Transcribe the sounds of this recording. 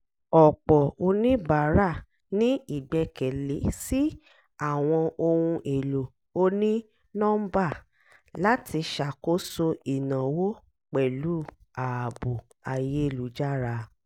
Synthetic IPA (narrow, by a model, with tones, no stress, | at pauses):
ɔ˨k͡pɔ˨o˧nĩ˦ba˨˦ɾa˦˨ | nĩ˦i˦˨bɛ˧kɛ˨le˨˦si˦ | a˦˨w̃ɔ̃˧o˧wũ˧ʔe˨lo˨ | o˧nĩ˦ | nɔ̃˦m̩˦ba˦˨ | la˦tʰi˧ʃa˨ko˦so˧i˨nã˨wo˦ | k͡pɛ˨lu˨˦a˨bu˨ | a˨je˦e˦˨lu˨˦d͡ʒa˦˨ɾa˧